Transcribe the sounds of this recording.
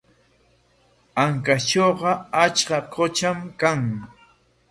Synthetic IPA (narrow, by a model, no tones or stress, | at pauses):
aŋkat͡ʃoːɢɑat͡ʃkɑkʰot͡ʃamkaŋ